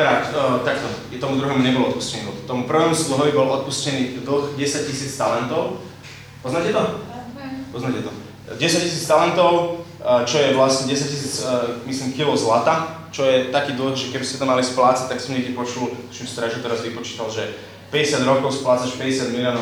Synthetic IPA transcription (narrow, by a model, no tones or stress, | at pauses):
ɾakt̪akt̪ɔ | t̪ɔmud̪ɾuɦɛːmuɲɛbɔlɔt̪̚pu̥scɛniːbɔt̪ɔmupr̩ʋɛːmuslɔɦɔʋibɔlʔɔt̪̚puscɛniːd̪̩xɟɛsac̚cisiːt͡st̪alɛnt̪ɔʊ | pɔznaːcɛt̪ɔ | pɔznaːcɛt̪ɔ | ɟɛsac̚cisiːt͡st̪alɛnt̪ɔʊ | t͡ʃɔjɛʋlasɲɛɟɛsac̚cisiːt͡smisliːmxilɔʊzlat̪a | t͡ʃɔjɛt̪akiːd̪l̩xʒɛkɛbismɛt̪amalisplaːt͡sac̚t̪aksɔmɲɛɛpɔt͡ʃulɔʃimst̪ɾɛʒut̪ɛɾazʋipɔt͡ʃi̥ːt̪alʒɛ | pɛɟɛsɪad̪ɾɔkɔʊsplaːt͡saʃpɛɟɛsɪad̪milɪɔːnɔ